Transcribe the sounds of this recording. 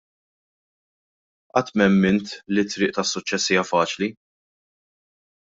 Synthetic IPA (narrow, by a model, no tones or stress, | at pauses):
ʔɐt̪ːmɛmːɪnt̪lit̪ːɾɪːʔt̪ɐsːʊt͡ʃːɛsːiːjɐfɐːt͡ʃli